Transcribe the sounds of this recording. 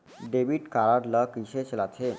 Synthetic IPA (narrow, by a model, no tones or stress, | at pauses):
ɖebiʈkaɾaɾlakiɕet͡ɕelat͡sʰe